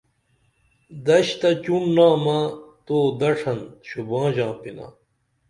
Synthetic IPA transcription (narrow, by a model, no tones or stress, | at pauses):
d̪ɐɕt̪ɐt͡ɕunːaːmat̪oːd̪ɐʂʰɐnɕubɑ̃ːʑãːpina̰